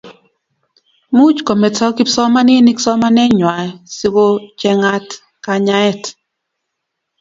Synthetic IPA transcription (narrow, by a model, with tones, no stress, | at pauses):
mu˦t͡ʃkɔ˨mɛ˨tɔ˦kɪ˦sɔ˦ma˦nɪ˦nɪ˦ksɔ˦ma˦nɛ˦ɲwa˨si˦wo˦t͡ʃɛ˦ŋa˦t | ka˨ɲa˦ɛ˦˨t